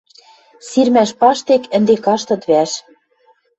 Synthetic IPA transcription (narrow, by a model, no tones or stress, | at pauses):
sirmæʃpɑʃt̪ekɘ̆nd̪ekɑʃt̪ɤ̆t̪βæʃ